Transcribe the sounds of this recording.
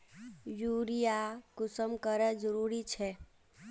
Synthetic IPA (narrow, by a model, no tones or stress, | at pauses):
juɾijakʊsəmkəɾəd͡ʒəɾuɾit͡ʃʰɛ